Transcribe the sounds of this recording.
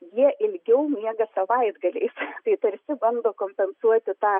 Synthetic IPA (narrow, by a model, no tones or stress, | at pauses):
jiɛʔɪlʲɡʲɛʊmʲiɛɡɐsɐʋɐɪd̪ɡɐlʲɛ̰ɪst̪ɐɪt̪ɐɾʲsʲɪbɐnd̪oːkoːmʲpʲɛnsuɔt̪ʲɪt̪ɑː